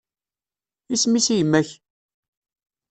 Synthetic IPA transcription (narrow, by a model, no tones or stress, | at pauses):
ismisijmːæç